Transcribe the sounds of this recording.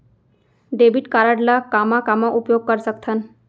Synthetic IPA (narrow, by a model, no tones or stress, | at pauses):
ɖebiʈkaɾaɽlakamakamaʔupjoɡ̚kəɾsəkt̪ʰən